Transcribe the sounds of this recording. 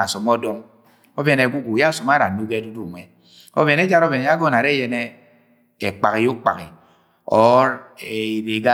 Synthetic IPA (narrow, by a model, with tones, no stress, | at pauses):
a˨sɔ˨mɔ˦dɔ˦ŋ | o˦bɛ˨ne˨ɡʷu˦ɡu˨ja˦˨sɔ˨m˦a˦ɾa˨nu˦ɡe˦du˦du˦˨ŋʷɛ˨ | o̰˦bɛ˨ne˦d͡ʒa˦ɾɔ˦bɛ˨n˨ja˦ɡɔ˦˨na˨ɾe˦jɛ˨nɛ˦ | e˨k͡pa˨ɣi˨o˦k͡pa̰˨kḭ˨ | ɔ˦ɾe˨i˨ɾe˨ɡa˦